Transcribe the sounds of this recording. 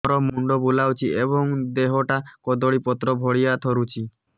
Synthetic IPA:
ɔɾɔmuɳɖɔbulawt͡ʃʰieβɔŋd̪eɦɔʈakɔd̪ɔɽipɔt̪ɾɔbʱɔɽijat̪ʰɔɾut͡ʃʰi

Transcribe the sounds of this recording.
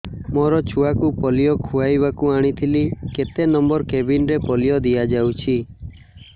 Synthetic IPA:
moɾɔt͡ʃʰuakupɔlijɔkʰuajbakuaɽ̃it̪ʰiliket̪enɔmbɔɾkebinɾepɔlijɔd̪ijad͡ʒawt͡ʃʰi

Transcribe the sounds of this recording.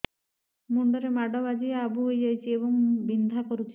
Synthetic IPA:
muɳɖɔɾemaɖɔbad͡ʑiabuɦojd͡ʑajt͡ɕʰieβoŋbind̪ʱakoɾut͡ɕʰi̥

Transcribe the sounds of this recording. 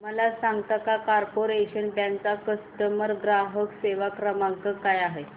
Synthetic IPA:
məlasaŋɡt̪akakaɾpoɾeɕənbãŋk̚t͡sakəst̪əməɾɡɾaɦəkseʋakɾəmakəkajaɦe

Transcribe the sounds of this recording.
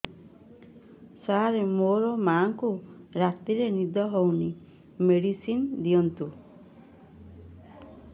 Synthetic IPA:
saɾemoɾɔmaːŋkuɾat̪iɾenid̪ɔɦowni | meɽisind̪iɔnt̪u

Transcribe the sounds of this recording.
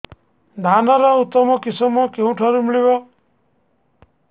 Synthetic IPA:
d̪ʱanɔɾɔut̪ːɔmɔkisɔmɔkeũʈʰɔɾumiɭiβɔ

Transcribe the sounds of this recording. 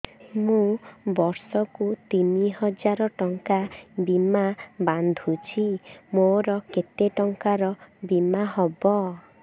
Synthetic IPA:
mũbɔɾsɔkut̪iniɦɔd͡ʒaɾɔʈɔŋkabimaband̪ʱut͡ʃʰimoɾɔket̪eʈɔŋkaɾɔbimaɦɔbɔ

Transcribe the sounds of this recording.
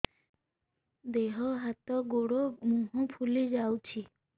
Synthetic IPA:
d̪eɦɔɦat̪ɔɡoɽomuɦũpʰulid͡ʑawt͡ɕʰi

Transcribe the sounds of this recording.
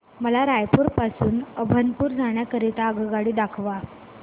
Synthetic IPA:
məlaɾajpuːɾpasuːnəbʱənpuːɾd͡zʱaɳjakəɾit̪aəɡəɡaɽiːd̪akʰʋa

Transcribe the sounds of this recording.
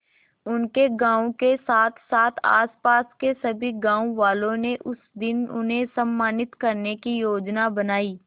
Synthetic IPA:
ʊnkeɡãːũkesaːt̪ʰsaːt̪ʰa̰ːspaːskesɐbʱiɡãːũʋaːlõneʔʊsd̪ɪnʊ̰nɦẽsɐmːaːnɪt̪kɐɾnekijoːd͡ʒnabɐnaːiː

